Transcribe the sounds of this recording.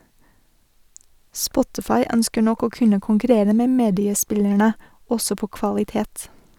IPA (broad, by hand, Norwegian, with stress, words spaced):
ˈspɔtɪfɑɪ ˈœnskəɾ ˈnɔk ˈoː ˈkʉnə kʊŋkʉˈɾeːɾə ˈmeː ˈmeːdɪəˌspɪlæɳə ˈɔsɔ ˈpoː kʋɑlɪˈteːt